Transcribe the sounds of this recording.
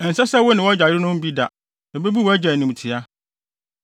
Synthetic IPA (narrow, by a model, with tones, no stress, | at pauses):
ɛ˨n̩˨sɛ˦sɛ˦wʊ˦nɪ̃˨wɔ˦d͡ʑa˨jɪ˦ɾɪ˦nʊ̃˦m̩˦bi˦da˨ | ɛ˨be˦bi˦wɔ˨˦æ˦d͡ʑɛ˨nĩ˨m˨tʰɪ˨a˦